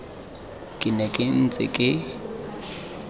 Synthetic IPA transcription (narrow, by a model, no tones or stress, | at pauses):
kʼɪnɛkʼɪn̩t͡sʼɪ̰kʼɪ